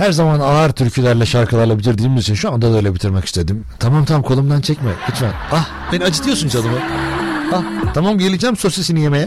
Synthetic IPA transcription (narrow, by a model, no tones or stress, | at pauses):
hæɾzamanaːɾt̪ʰyɾcʰylʲæɾlʲɛʃaɾkʰɯlˠaɾlˠabilʲiɾd̪iːmizit͡ʃʰinʃuand̪ad̪øjlʲebit̪ʰiɾmaki̥st̪ʰe̞d̪imt̪ʰamamt̪ʰamkʰo̞lˠumd̪ant͡ʃʰɛcmɪkʰɯt͡ʃvanah | b̥enad͡ʒʰɯt̪ʰijosunt͡ʃʰad̪ɯmɯ | aht̪ʰamamɟe̞lʲid͡ʒæmsosisinijemejɛ